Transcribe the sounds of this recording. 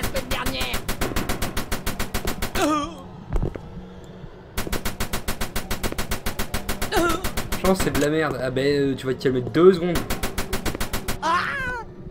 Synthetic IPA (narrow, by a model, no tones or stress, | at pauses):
spɛt̪d̪ɛʁnjɛːʁ | ʒɑ̃sɛd̪əlamɛʁd̪abaøt̪yvwakʲiɛlmɛt̪̚d̪øzəɡɔ̃d̪ | a